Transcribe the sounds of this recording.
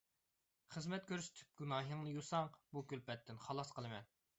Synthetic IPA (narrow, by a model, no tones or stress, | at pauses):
χəzmɛt̪̚kʲʰøɾsy̥t̪ʰy̥p̚ɡʲunɑːɦəŋnɨjusɑŋbukʲylpɛt̪ʰːɪnχɑlˠɑsqəlˠɨmɛn